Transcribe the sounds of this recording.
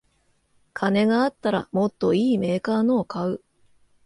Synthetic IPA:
kʰane̞ɡaːt̪ːaɾa̰mo̞t̪ːo̞iːme̞ːkaːno̞ːkʰaɯ̟

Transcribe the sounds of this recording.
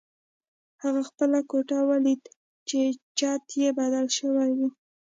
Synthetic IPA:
haɣaxpəlakoʈawalid̪ | t͡ʃet͡ʃɑt̪jebad̪alʃəwajwi

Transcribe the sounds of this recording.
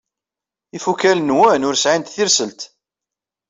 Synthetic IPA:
ifukælnwænʊɾsʕint̪θiɾsəlt̪

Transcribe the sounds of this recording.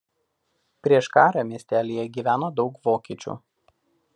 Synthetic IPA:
pʲɾʲiɛʃkɑːɾɐmʲiɛsʲt̪ʲæːlʲiːjɛɡʲiːʋʲæːnoːd̪ɒʊkʋoːkʲiːt͡ʃʲṵːˑ

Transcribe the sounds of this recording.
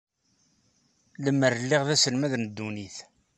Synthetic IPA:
ləmːəɾəlːiʁðæsəlmæðnəd̪ːuniθ

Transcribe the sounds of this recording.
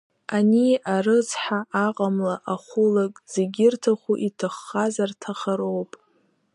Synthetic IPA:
aniarɨt͡sħaʔaqʼamlaʔaχʷʊlakʼz̥eɡʲɪrtʰaχʷuʔitʰɨχːazartʰaχaɾowpʼ

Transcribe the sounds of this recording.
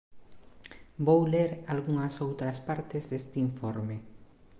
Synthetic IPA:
bowleɾalɣuŋɐsowt̪ɾɐspaɾt̪ɪzðest̪iɱfoɾme

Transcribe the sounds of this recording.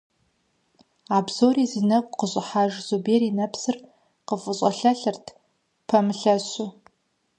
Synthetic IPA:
aːbzoːriːzɨnɐkʷʼqəɕʼɪħaːʒz̥ubeːɾinɐpsɨr | qəfʼɨɕʼɐɬɐɬɨrtʰ | pʰɐmɨɬɐɕʊ

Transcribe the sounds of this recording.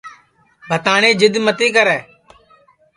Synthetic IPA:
bʱət̪aːɳẽːd͡ʒɪd̪mət̪iːk̬əɾɛː

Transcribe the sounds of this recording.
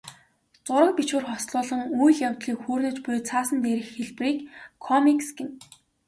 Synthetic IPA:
t͡sʊɾə̆k̚pit͡ɕwɘ̆rχɔsɮʊːɮə̆ŋujɮjawt̪ɮiːkxuːrnɵ̆t͡ɕpʊjt͡sʰaːsə̆nt̪eːɾɘ̆xːeɮpriːkkʰːɔmiksɡen

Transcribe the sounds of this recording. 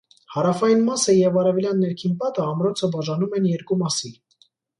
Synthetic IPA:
hɑɾɑfɑjinmɑsəjɛvɑɾɛvɛljɑnːɛɾkʰinpɑt̪əɑmɾɔt͡sʰəbɑʒɑnumɛnjɛɾkumɑsi

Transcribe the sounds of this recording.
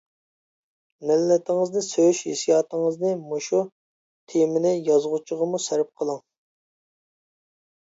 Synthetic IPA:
mɪlːɛt̪ʰɪŋɨznɨsøjyʃhḛsijɑːt̪əŋəznɨmoʃu | t̪ʰemɪnɪjɑzʁʊt͡ʃʰəʁəmusæɾp̚qʰəlˠŋ

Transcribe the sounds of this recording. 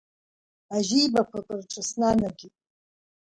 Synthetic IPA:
aʒijbakʷʰakʷʼɨrʈ͡ʂʼʰasnanaɡʲitʼ

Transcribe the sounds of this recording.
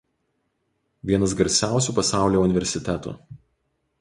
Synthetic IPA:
ʋʲiɛnɐs̬ɡɐɾʲsʲæˑʊsʲuˑːpɐsɑˑʊlʲoːʊnʲɪʋʲɛɾʲsʲɪt̪ʲɛt̪ṵː

